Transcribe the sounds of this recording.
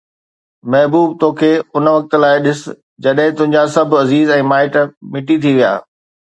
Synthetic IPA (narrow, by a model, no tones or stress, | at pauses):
mɛɦbuːb̚t̪oːkʰeːʊnʋɐk̚t̪laːɪɗɪs | d͡ʑɐɗɦɪ̃t̪ʊ̃ɦɪ̃ɲd͡ʑasɐbʱɐziːzɛ̃ːmaːɪʈmɪʈit̪ʰiʋija̰ː